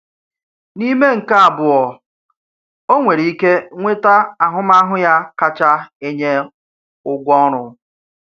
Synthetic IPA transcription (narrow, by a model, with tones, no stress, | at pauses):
ni˦me˦ŋ̩˨ka˦a˨bʊ˨ɔ˨ | o˦ŋʷe˨ɾi˨i˦ke˦ŋʷe˦ta˦a˨ɦʊ˦ma˦ɦʊ˦ja˦ka˦t͡ʃa˦e˦ɲe˦ | ʊ˦ɡʷɔ˦ɾ̃ʊ˨